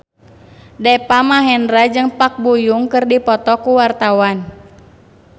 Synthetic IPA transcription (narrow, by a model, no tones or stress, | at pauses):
dɛpamaɦɛnɾad͡ʒɨŋpak̚bujuŋkɨrdipɔt̪ɔkuwart̪awan